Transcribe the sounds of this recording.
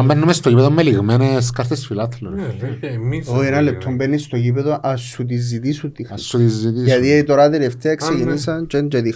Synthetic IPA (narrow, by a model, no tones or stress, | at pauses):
ɐmbenːumest̪ocipeðomːeliɣmenes̬kɐɾt̪esfilɐt̪leɾ | oenɐle̞p̚t̪ʰːo̞mbenːist̪o̞cipeðoʔɐsːut̪̬izit̪isut̪ːixsuizit̪iɐt̪ieit̪oɾat̪eleft̪eɐeksecinisɐnt͡ʃend͡ʒeði